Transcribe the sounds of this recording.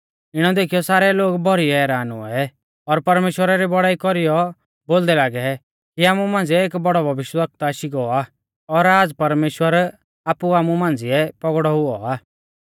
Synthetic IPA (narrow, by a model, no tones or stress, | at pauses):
ɪɽ̃ɔd̪eːkʰijɔsaːɾɛloːɡbʱɔɾiɛːɾaːnʊ̰ɛɛ | ɔɾpɐɾmeːʃwəɾaɾibɔɽaːikɔɾijɔ | boːld̪ɛlaːɡɛ | kiaːmũmãːnd͡ziɛeːkbɔɽɔbʱɐʋɪʃjʋək̚t̪aːʃiɡɔaː | ɔɾaːd͡zpɐɾmeːʃwəɾ | aːpuaːmumãːnd͡zɪɛpɔɡɽɔɦʊɔaː